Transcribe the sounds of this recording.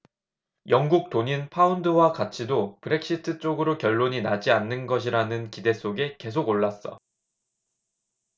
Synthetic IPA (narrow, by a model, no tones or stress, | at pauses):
jʌŋɡuk̚t͈oɲinpʰaundɯwakat͡ɕʰidopɯɾe̞k̚ɕ͈itʰɯt͡ɕ͈oɡɯɾokjʌɭːoɲinad͡ʑianːɯnɡʌɕ̬ʰiɾanɯnkide̞s͈ʰoɡe̞ke̞sʰoɡoɭːas͈ʌ̰